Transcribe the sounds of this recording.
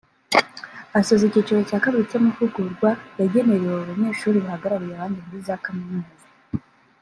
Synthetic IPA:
asozicit͡ʃoɾocaːkaβiɾitemufuɡuɾɡwajaɟe̞neɾeweuβaɲe̞ːʃuːɾiβuhaɡaɾaɾujaβaːndimuɾizaːkaminuza

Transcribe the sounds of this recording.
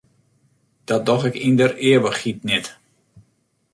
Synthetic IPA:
d̥ɔt̚dɔxɛkindərɪəʋəxhit̚nɪt

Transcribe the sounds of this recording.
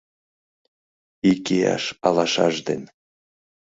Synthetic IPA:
ikejɑ̰ʃɑlˠɑʃɑʒd̪en

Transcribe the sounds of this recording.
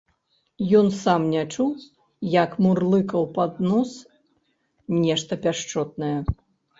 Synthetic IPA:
jɔnsamnʲat͡ʂu | jɐkmurlˠɨkɐwpad̪nɔs | nʲɛʂt̪ɐpʲaʂt͡ʂɔt̪̚nɐjɛ

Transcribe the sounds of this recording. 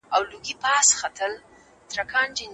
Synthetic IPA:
awluɡipɑsxat̪ʰəl | t̪ɾakʰɑnd͡ʒɪn

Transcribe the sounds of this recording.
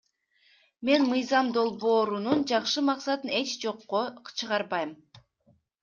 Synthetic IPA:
me̞nmɯjzɑmd̪o̞lˠβo̞ːɾunund͡ʒɑqʃɯmɑqsɑt̪ɯne̞t͡ʃd͡ʒo̞qːot͡ʃʰɯʁɑɾβɑjm

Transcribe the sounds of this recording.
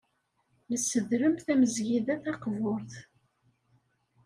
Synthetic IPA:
nəsːəðɾəmθæməzʝiðæθɑqvʊɾθ

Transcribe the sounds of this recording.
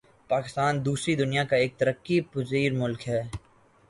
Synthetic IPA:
paːkɪst̪aːnd̪uːsɾid̪ʊnijakaeːk̚t̪ɐɾəkːipʊziːɾmʊlkɦɛː

